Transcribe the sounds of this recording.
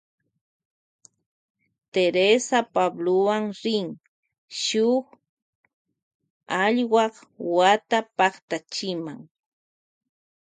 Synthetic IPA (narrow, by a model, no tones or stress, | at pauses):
t̪eɾesapablowaŋɾɪŋ | ʃʊχ | ɑʎwɑχwat̪apɑχt̪at͡ʃɪmaŋ